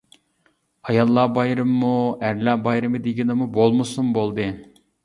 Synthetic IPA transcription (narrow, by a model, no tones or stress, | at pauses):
ɑjɑlˠːɑːbɑjɾɯmːuɛɾlɑːbɑjɾɯmɨd̪iɡʲinɨmubolˠmusumbolˠd̪ɨ